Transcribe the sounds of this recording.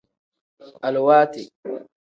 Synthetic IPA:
ʔa˨lwaː˦t̪ɪ

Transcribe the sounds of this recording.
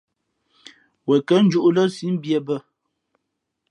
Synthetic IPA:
wɛ˨kə˦n̩˦d͡ʒu˦ʔlə˦si˦n̩˦bjə˦˨bə˦˨

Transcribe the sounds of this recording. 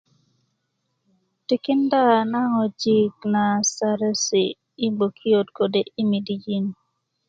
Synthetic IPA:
ti˦kɪ˦nda˦˨na˦ŋɔ˨d͡ʒi˨kna˨sa˨ɾɛ˦siː˨˦ | bo˨kʰi˦o˨tko˨de˦ʔi˦mi˨di˨˦d͡ʒi˦n

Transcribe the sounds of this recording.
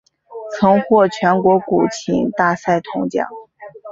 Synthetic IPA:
t͡sʰɤ˧˥ŋxwɔ˥˩t͡ɕʰɥɛ˧˥nkwɔ˧˥ku˨˩t͡ɕʰḭ˧˥ŋt̪a˥˧sa˥˩ɪt̪ʰʊ˧˥ŋt͡ɕjɑ̰˨˩˦ŋ

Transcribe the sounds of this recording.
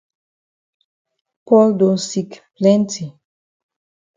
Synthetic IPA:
pɔ˦ld̪o˨si˨kplɛ˦nti˨

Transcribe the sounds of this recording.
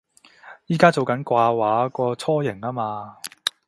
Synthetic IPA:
jiː˨˥kaː˥t͡so˨wkɐ˨˥nkʷaː˧waː˨˥kɔː˧t͡sʰɔː˥jɪ˨˩ŋaː˥maː˧

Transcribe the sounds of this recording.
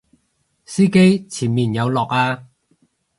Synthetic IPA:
siː˥ke˥jt͡sʰiː˨˩nmiː˨˩njɐ˨˧wlɔː˨k̚aː˧

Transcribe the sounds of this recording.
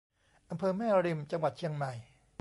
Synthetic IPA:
ʔa˧mpʰɤː˧mɛː˥˩ɾi˧mt͡ɕa˧ŋwa˨˩t̪̚t͡ɕʰi˧əŋma˨˩j

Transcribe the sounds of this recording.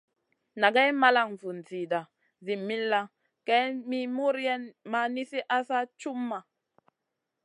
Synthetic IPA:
na˨ɡɛ˦jma˦la˦˨ŋ˨vu˨n˨zi˨da˨ | zi˨mːi˦lːa˦ | kɛ˦mi˦mu˦ɾjɛ˦nma˨ni˦si˦ʔa˦sa˦t͡ʃu˦mːa˨

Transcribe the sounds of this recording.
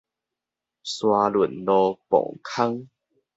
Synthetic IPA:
swa˧lu˨˩nlɔ˧pɔ̰˨˩ŋkʰa˦ŋ

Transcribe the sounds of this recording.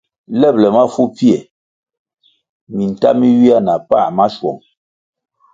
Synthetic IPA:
lɛ˦˨p̚lɛ˨ma˦fu˦pi˦ɛ˨ | mi˨n̩˨ta˦mi˦ɥi˦a˦na˨pa˦˨ma˦ʃwɔ̰˨ŋ

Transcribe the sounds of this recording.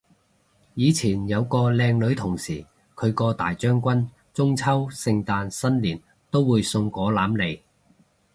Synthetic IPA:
jiː˨˧t͡sʰiː˨˩njɐ˨˧wkɔː˧lɛː˧ŋlɵ˨˧˥ɥt̪ʰʊ˨˩ŋsiː˨˩ | kʰɵ˨˧ɥkɔː˧t̪aː˨˩jt͡ʃœː˥ŋkʷɐ˥n | t͡sʊ˥ŋt͡sʰɐ˥wsɪ˧ŋt̪aː˧nsɐ˥nliː˨˩n | t̪o˥wːuː˨˧jsʊ˧ŋkɔː˨˥laː˨˥mle˨˧j

